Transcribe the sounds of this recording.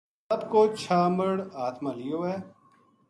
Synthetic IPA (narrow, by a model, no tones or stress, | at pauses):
ɐbkoːt͡ʃʰaːməɽaːt̪mãːlijoːɛː